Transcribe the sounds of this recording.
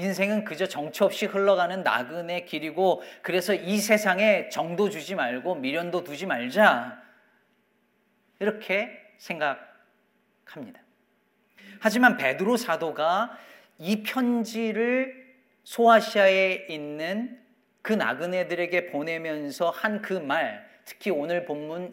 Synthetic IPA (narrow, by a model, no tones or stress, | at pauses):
ins̬ʰe̞ŋɯnkɯd͡ʑʌt͡ɕʌŋt͡ɕʰuʌp̚ɕ͈ihɯɭːʌɡanɯnːa̰ɡɯne̞kiɾiɡokɯɾe̞sʰʌisʰe̞sʰaŋe̞t͡ɕʌŋdod͡ʑud͡ʑimaɭɡomiɾjʌndotud͡ʑimaɭd͡ʑa | iɾʌkʰe̞ | sʰe̞ŋɡak̚ | hamɲida | had͡ʑimanpe̞dɯɾosʰadoɡa | ipʰjʌnd͡ʑiɾɯɭ | sʰoaɕʰiaeinːɯn | kɯna̰ɡɯne̞dɯɾe̞ɡe̞pone̞mjʌnsʰʌhankɯmaɭtʰɯ̥kʰionɯɭpomːun